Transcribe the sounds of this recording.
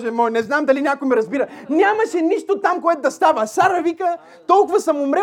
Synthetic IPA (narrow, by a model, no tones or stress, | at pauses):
ʒɛmɔjnɛznamd̪ɐlinʲakojmɛɾɐzbiɾənʲamɐʃɛniʃt̪ot̪amkoɛt̪ʊd̪ɐst̪avəsaɾɐvikə | t̪ɔlˠkʊvɐsɐmʊmɾɛ